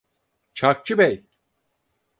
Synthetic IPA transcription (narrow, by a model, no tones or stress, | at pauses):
t͡ʃʰak̚t͡ʃʰɯbɛj